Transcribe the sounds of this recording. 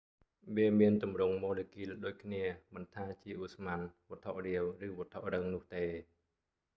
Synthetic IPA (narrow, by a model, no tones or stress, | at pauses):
ʋeəmiənt̪umrʊŋmɔːlekiːləɗoːc̚kʰniəmɨnt̪ʰaːt͡ɕiəʔusmanʋŏət̪ʰoʔriəwrɨːʋŏət̪ʰoʔrəŋnʊ̆əht̪eː